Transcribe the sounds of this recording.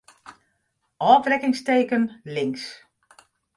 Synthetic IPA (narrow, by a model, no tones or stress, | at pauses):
ʔɔːfrɛkɪŋsteːkənlɪŋs